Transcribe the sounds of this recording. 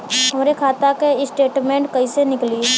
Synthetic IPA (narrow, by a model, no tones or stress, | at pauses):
ɦɐmɾekʰaːt̪akeɪsʈeːʈmẽːɳʈkɐisenɪkli